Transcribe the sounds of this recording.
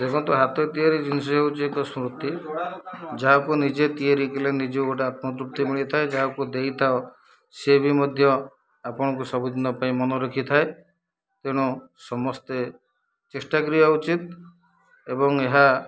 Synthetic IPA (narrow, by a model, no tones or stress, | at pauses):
dekʰɔnt̪uɦat̪et̪ieɾid͡ʒinsɔjut͡ʃikɔsmɾut̪ːi | d͡ʒaɦakunid͡ʒet̪ieɾikelenid͡ʒeukoʈeat̪mɔt̪ɾup̚t̪imiɭit̪ʰaed͡ʒaɦakud̪ejt̪ʰao | sebimɔd̪ʱjɔ | apɔɽ̃ɔkusɔbud̪ʱinɔpaĩmɔnɔɾɔkʰit̪ʰae | t̪eɽ̃ɔ | sɔmɔst̪e | t͡ʃesʈakɾijɔut͡ʃit̪̚ | ebɔŋeɦa